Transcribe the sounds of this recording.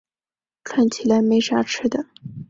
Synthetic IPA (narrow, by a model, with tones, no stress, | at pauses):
ʈ͡ʂʰwa˥˩nt͡ɕʰi˧˥˩la˧˥ɪme˧˥ɪʂa˥ʈ͡ʂʰɻ̩˥d̪ə˨